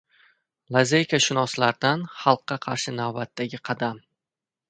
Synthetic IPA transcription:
lˠazejkʲaʃɪnɒslaɾd̪anχɑlˠqːɑqʰɑɾʃɪnavbat̪ːaɡʲɪqʰɑd̪am

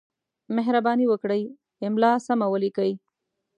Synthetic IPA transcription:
meɦɾabɑniwəkɽəj | ɪmlɑsamawəlikəj

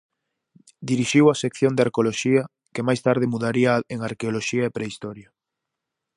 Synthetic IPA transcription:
d̪iɾiʃiwɐsekθjond̪aɾkoloʃiɐ | kemajst̪aɾð̞ɪmuðaɾiɐeŋaɾkeoloʃiɐepɾeist̪ɔɾja

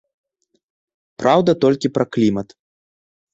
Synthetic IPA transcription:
pɾawd̪ɐt̪ɔlʲkʲipɾɐklʲimɐt̪

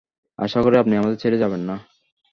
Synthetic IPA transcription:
a̰ʃakoɾeapniamad̪eɾt͡ɕʰeɾed͡ʑabenːa

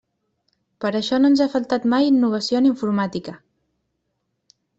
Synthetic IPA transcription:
pəɾəʃɔnoənzafəlˠt̪at̪majinːuβ̞əsioniɱfuɾmat̪ikə

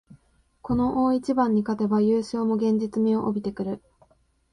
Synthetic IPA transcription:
ko̞no̞ʔoːit͡ɕibãɲ̟ːikat̪e̞bajɯːɕo̞ːmo̞ɡẽ̞ɲ̟d͡ʑit͡sɨmʲio̞ʔobʲit̪e̞kɯ̟ɾɯ̟

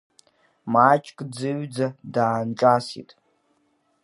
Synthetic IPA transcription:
mat͡ʃʼkʼd͡zɨɥd͡zadaːnt͡ʃʼasḭtʼ

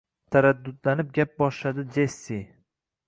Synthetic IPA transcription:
t̪ʰaɾad̪ːʊd̪lanɪp̚ɡʲap̚bɒʃlad̪ɪd͡ʒesːi

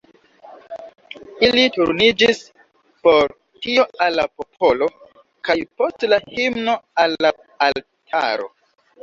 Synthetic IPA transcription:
ilituɾnid͡ʒis | po̞ɾ | tio̞alːapo̞pʰo̞lo̞ | kajpo̞stlahimno̞alːaː | l | tʰa̰ɾo̞̰

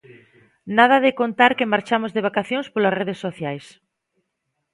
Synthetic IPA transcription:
nað̞ɐðɪkont̪aɾkemaɾt͡ʃamozðeβ̞akaθjõŋspolasreðesːoθjajs

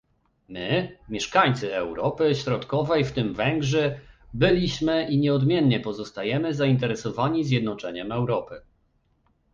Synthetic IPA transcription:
mɘmʲjɛʂkaɲt̪sɘɛwɾɔpɘɕɾɔt̪kɔvɛjft̪ɘmvɛŋɡʐɛbɘlʲiɕmɘʔiɲɛɔd̪mʲjɛnːɲɛpɔzɔst̪ajɛmɘzaint̪ɛɾɛsɔvaɲizʲjɛd̪nɔt͡ʂɛɲɛmɛwɾɔpɘ

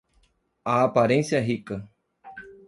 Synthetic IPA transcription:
aːpaɾẽnsjaɦikɨ

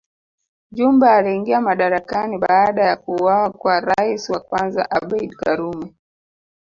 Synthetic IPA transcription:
ʄumbɛːliiŋɡiamaɗaɾakaniɓaːɗajakuwawakwaɾaisiwakwanza̰ʔaɓɛiɗkaɾumɛ

